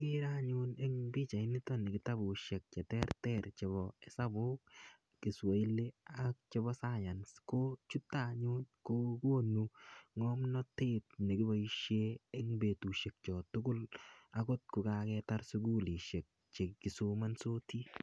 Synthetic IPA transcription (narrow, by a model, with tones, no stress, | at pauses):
kɪ˦ɾa˦ɲʊne˦ŋbi˦t͡ʃa˨ɪ˦nɪ˦tɔ˦ne˨ɡɪ˦ta˦bu˨ʃɛ˨k̚t͡ʃɛ˨tɛ˦rtɛɾt͡ʃe˨bɔɛ˦sa˦bo˦k̚ | kɪ˨swa˨i˦le˦ak̚t͡ʃe˦bɔ˦sa˦ja˨nsko˦t͡ʃu˦tːaɲu˦nko˦ko˦nːuŋɔmnɔ˦te˦t̚ne˨ɡɪ˦bɔ˨iʃee˦ŋbe˨tu˨ʃe˨k̚t͡ʃɔ˨tʊ˦ɡʊ˦lako˦t̚kʊ˨kakɛ˦ta˦ɾsʊ˦ɡu˦li˨ʃe˨k̚ | t͡ʃe˨kɪ˨soma˦nso˦ti˦